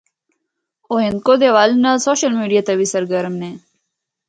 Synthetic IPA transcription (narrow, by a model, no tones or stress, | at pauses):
oːɦẽnd̪̚kod̪eʋaːlnasoːɕəlmiːɖijat̪ɐʋisɐɾɡəɾmne